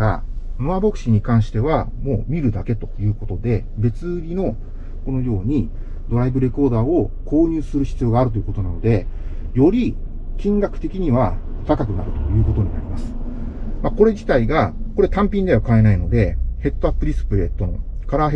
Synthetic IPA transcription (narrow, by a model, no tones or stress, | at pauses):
a̰mɯabo̞kɯ̟̥ɕiɲ̟ikãɰ̃ɕi̥t̪e̞βamo̞̰ːmʲiɾɯ̟d̪ake̞t̪o̞̥jɯ̟ːko̞t̪o̞d̪e̞ | be̞t͡sɨɾʲino̞ | ko̞no̞jo̞ːɲ̟i | d̪̥o̞ɾaibɯ̟ɾe̞ko̞ːd̪aːo̞ko̞ːɲ̟ɨːsɨɾɯ̟ɕi̥t͡sɨjo̞ːɡaːɾɯ̟t̪o̞jiɯko̞t̪o̞nano̞d̪e̞ | jo̞ɾʲi | kʲĩŋɡakɯ̟̥t̪e̞kʲiɲ̟iβa | o̥t̪akakɯ̟na̰ɾɯ̟t̪o̞jɯ̟ːko̞t̪oɲ̟inaɾʲimasɨ̥ | mako̞ɾe̞d͡ʑit̪aiɡako̞ɾe̞t̪ãmpʲĩɲd̪eβakae̞naino̞d̪e̞he̞t̪ːo̞apːɯ̟ɾʲisɨ̥pɯ̟ɾe̞t̪o̞no̞̰ | kaɾaɦe